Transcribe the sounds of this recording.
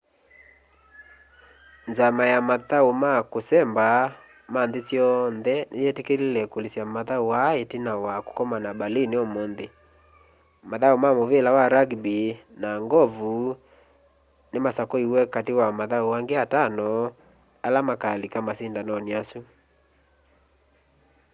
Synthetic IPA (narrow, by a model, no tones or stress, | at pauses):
nzamajamaðaomakosɛmba | manðesjɔnðɛnejɛtekelilɛkolisjamaðauwaetinawako̥kɔmanabaliniɔmɔnðe | maðaomamovelawaɾaɡbinaŋɡɔvu | nemasakɔiwɛkatewamaðauwaŋɡeatanɔ | alamakalikamasindanɔniasu